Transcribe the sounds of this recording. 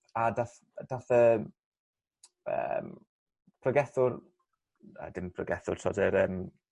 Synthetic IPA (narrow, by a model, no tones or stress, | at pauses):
adaθ | d̥aθə | ə̰m | pʰrɔɡɛθʊr | ə̰dɪmpʰrɔ̰ɡɛθʊrtʰɔ̰dɛɾəːm